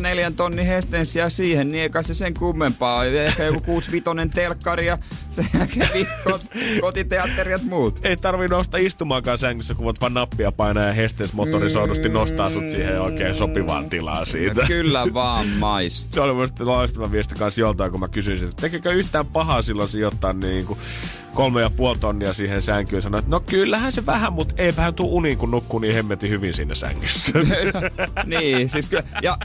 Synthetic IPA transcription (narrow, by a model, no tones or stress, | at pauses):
neljænt̪onːihest̪ensiɑsiːhenniekɑseseŋkumːempɑːolʲehkæjokukuːsʋit̪onent̪elkːɑrijɑsekæʋikot̪kot̪it̪eɑt̪ːeriɑt̪muːt̪eit̪ɑrʋinnoust̪ɑist̪umɑːŋkɑːnsææŋkysːækuʋɑt̪ʋɑnnɑpːiɑpɑinɑːjɑhest̪ensmot̪orisoinust̪innost̪ɑːsut̪siːheoikeːsopiʋɑ̰ːnt̪ilɑ̰ːsiːt̪ækylːæʋɑːmmɑist̪solimusit̪ːelɑst̪ɑmɑʋiest̪i̥kɑ̃nsjolt̪ɑikummækysynsit̪t̪ekekøyht̪æːmpɑhɑsilːɑnsijot̪ːɑːnniːŋku | kolmejɑpuolt̪onːiɑsiːhensæŋkyːnsɑnoet̪nokylːæhænseʋæhæmmut̪eipæhænt̪uouniŋkunnukːuːniːhemːet̪ːihyʋinsiːnːæsæ̰ŋːysːæ | niːsiskjɑ